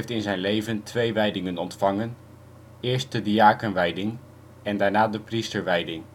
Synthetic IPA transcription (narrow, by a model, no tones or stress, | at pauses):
ftɪnzɛjnlejvəntʰʋejʋɛjdɪŋənɔntfɑŋən | ɪːɹst̚dədiaːkənʋɛjdɪŋ | ɛndaːɹnaːdəpristəɹʋɛjdɪŋ